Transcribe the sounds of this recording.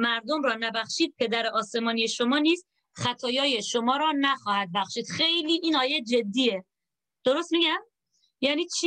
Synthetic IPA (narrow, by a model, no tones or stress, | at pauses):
mæɾd̪omɾɒːnæbæxʃiːd̪̚pʰe̞d̪æɾeʔɒːse̞mɒːnije̞ʃo̞mɒːniːst̪ | xæt̪ʰɒːjɒːje̞ʃomɒːɾɒːnæxɒːhæd̪̚bæxʃiːd̪̥xe̞jliːʔiːnɒːje̞d͡ʒe̞d̪ːiːe̞ | d̪̥oɾost̪miɡæm | jæːniːt͡ʃʰi